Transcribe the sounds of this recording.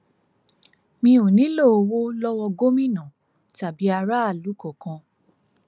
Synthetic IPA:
mĩ˧ũ˨nĩ˨˦lo˦˨o˧wo˦lɔ˦wɔ˧ɡo˦mĩ˦˨nã˨ | ta˨bi˨˦a˧ɾa˦a˦˨lu˨˦kɔ˦˨kã˧

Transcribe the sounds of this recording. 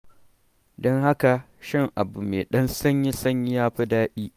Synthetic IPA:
dɔ˦ŋha˦ka˨ | ʃɪ˦˨ŋʔa˨bu˨meː˨ɗɐ˦nsɐ˦ɲjɪ˦sɐ˦ɲjɪ˦jaː˦ɸi˦daː˦ɗiː˦

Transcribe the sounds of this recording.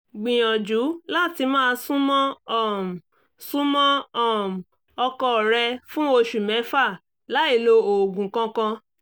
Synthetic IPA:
ɡ͡bĩ˨j̃ɔ̃˨d͡ʒu˨˦la˦˨ti˧mãː˦˧sũ˦mɔ̃˦ɔ˦˨m˨ | sũ˦mɔ̃˦ɔ˦˨m̩˨ | ɔ˧kɔ˧˨ɾɛ˧fũ˦o˧ʃu˨mɛ̃˨˦fa˦˨ | la˨˦i˦˨lo˧o˨ɡũ˨˦kã˦kã˧

